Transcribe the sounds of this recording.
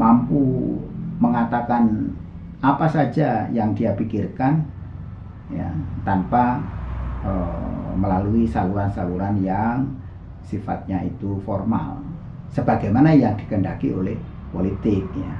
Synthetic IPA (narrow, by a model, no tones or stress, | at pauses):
mampu | məŋat̪akan | apasad͡ʒajaŋdiapikirkan | ja̰t̪anpa | əməlaluisaluɾansaluɾanjaŋ | sifa̰t̪̚ɲaḭt̪ufɔrma̰l | səbaɡajmanajaŋdi̥kəndakḭolɛh | polit̪ɪk̚ja